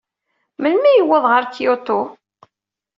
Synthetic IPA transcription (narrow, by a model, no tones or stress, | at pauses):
mənmijəwːəðˤʁəɾkiot̪ːo